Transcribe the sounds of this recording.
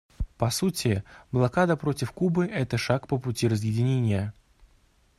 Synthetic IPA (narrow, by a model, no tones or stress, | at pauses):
pɐsutʲɪblˠɐkad̪əpɾotʲɪfkubɨʔɛt̪əʂakpəpʊtʲiɾəzjɪdʲɪnʲenʲɪjə